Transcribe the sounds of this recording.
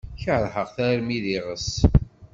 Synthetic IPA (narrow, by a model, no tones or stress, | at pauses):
çəʕðħəʁθæɾmiðiʁəs